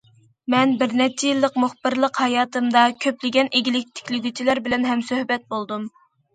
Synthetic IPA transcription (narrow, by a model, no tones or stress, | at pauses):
mɛnbɪɾnɛt͡ʃʰːijilˠːəqmuχbɨɾlˠəqhɑjɑːt̪ʰɨmd̪ɑkʲʰøplɪɡʲɛnʔeɡʲilɪk̚ʲt̪ʰe̥kʲlɪɡʲyt͡ʃʰilæɾbɪlɛnɦɛmsøhbɛt̪̚bolˠd̪um